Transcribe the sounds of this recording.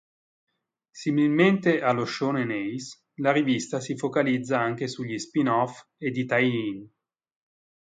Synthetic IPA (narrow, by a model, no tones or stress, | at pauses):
similment̪eʔaloʃːonenɛjs | laɾivist̪asifokalid̪zːaaŋk̟esuʎːispinɔfed̪ːit̪ajin